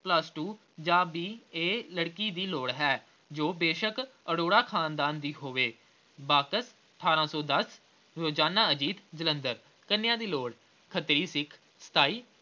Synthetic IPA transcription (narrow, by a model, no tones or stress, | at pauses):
pləsʈuː | d͡ʒaːbiːeːləɽkiːd̪iːloːɽɦɛː | d͡ʒoːbeːʃəkəɽoːɽaːkʰaːnd̪aːnd̪iːɦoːʋeː | baːkəs | əʈʰaːɾãːsɔːd̪əs | ɾoːd͡ʒaːnaːəd͡ʒiːt̪d͡ʒələ̃nd̪əɾ | kənɪjãːd̪iːloːɽ | kʰət̪ɾiːsɪkʰ | sə̥t̪ʰaːiː